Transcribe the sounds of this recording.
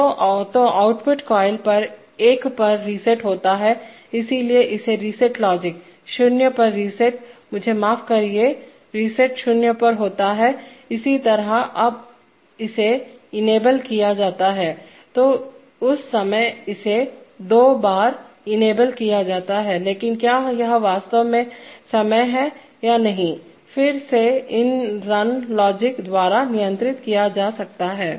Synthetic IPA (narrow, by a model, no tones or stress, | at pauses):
ot̪oʔaːʊʈpʊʈkɔːɪlpɐɾ | eːkpɐɾːisɛʈɦoːt̪aɦɛː | ɪsilieʔɪseɾiːsɛʈlɔːd͡ʒɪk | ʃʊnjəpɐɾːiːsɛʈ̚mʊd͡ʒʱemaːfkɐɾie | ɾiːsɛʈʃʊnjəpɐɾɦoːt̪aɦɛːɪsit̪ɐɾəɐb | ɪseɪneːbəlkijad͡ʒaːt̪aɦɛː | t̪oː | ʊsːɐməjɪsed̪oːbaːɾ | ɪneːbəlkijad͡ʒaːt̪aɦɛleːkɪnkjaːjɐɦʋaːst̪əʋmẽsɐməjɦɛ | janɐɦĩ | fɪɾseɪnɾɐnlɔːd͡ʒɪkd̪waːɾanɪjə̃nt̪ɾɪt̪kijad͡ʒaːsɐk̚t̪aɦɛː